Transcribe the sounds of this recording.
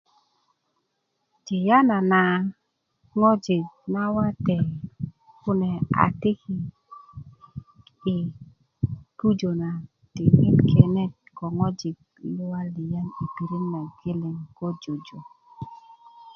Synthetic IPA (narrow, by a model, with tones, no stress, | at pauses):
ti˨ja˦na˨na˨ | ŋɔ˦d͡ʒɪ˨t̚na˦wa˦tɛ˨ | kʊ˦nɛ˨a̰˨ti˦ki˨ | i˨ | tu˦d͡ʒo˨na˨ | ti˨me˦tkʰɛ˨nɛ˦t̚kɔ˨ŋɔ˦d͡ʒɪ˨t | lʊ˦a˦li˨ja˦ni˨pi˨ɾi˦nna˨ɡe˦lɪ˨ŋkɔ˦d͡ʒo˨d͡ʒo˨